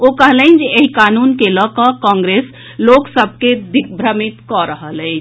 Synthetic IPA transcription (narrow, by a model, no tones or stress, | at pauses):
okəɦləɪnd͡ʒeeɦikanunkeləkəkɔ̃ŋɡɾes | loksəb̚ʱked̪ikʰbʱɾəmit̪kɔɾəɦələɪt͡ʃ